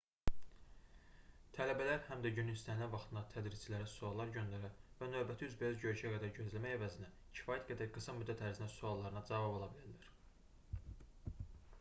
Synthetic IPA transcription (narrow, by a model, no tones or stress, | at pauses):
t̪ʰælæbælæɾhæmd̪æɟynynist̪ænilævɑχt̪ʰɯnd̪ɑt̪ʰæd̪ɾiz̥t͡ʃʰilæɾæsuɑlˠːɑɾɟø̞nd̪æɾævænø̞vbæt̪ʰiyzbeøzɟø̞ɾyʃæɡæd̪æɾɟø̞zlæmæjævæzinæ | cʰi̥fɑːjæt̪ɡæd̪æɾɡɯsɑmyd̪ːæt̪ʰːæɾzinæsuɑlˠːɑɾɯnɑd͡ʒɑvɑbolˠɑbilæɾlæɾ̥